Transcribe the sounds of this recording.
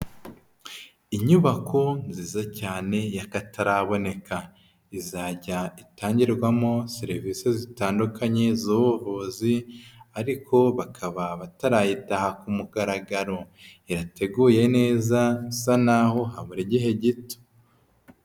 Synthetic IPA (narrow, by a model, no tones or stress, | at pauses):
iɲuβakʰonziːzacaːne̞jakatʰaɾaβo̞ne̞ka | izaːɟaitaːɲɟiɾɡwamo̞seɾivisezitaːndukʰaɲe̞zuβuvuːziaɾikʰo̞βakʰaβaβataɾajitahakumuɡaɾaɡaɾo̞iɾate̞ɡuːje̞ne̞ːzaisanaho̞ɦaβuɾiɟiɦe̞ɟito̥